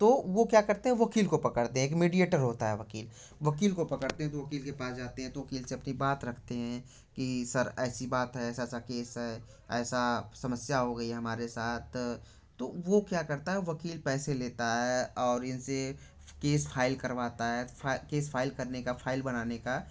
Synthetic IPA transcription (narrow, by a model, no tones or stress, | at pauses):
t̪oːʋokjaːkɐɾt̪ẽɦɛ̃ʋɐkiːlkopɐkəɽt̪ẽɦɛ̃eːkmiːɖieːʈəɾɦoːt̪aɦɛʋɐkiːl | ʋɐkiːlkopɐkəɾt̪ẽɦɛ̃t̪oʋɐkiːlkepaːsd͡ʒaːt̪eɦɛ̃t̪oʋɐkiːlseɐpnibaːt̪ɾɐkʰt̪eɦɛ̃ | kisɐɾɛːsibaːt̪ɦɛɛːsaɛːsakeːsɦɛː | ɛːsasɐməsjaɦoɡɐiɦɐmaːɾesaːt̪̚ʰː | oʋokjaːkɐɾt̪aɦɛʋɐkiːlpɛːseleːt̪aɦɛɔːɾɪnse | keːsfʰaːɪlkɐɾʋaːt̪aɦɛːakeːsfʰaːɪlkɐɾnekafʰaːɪlbɐnaːneka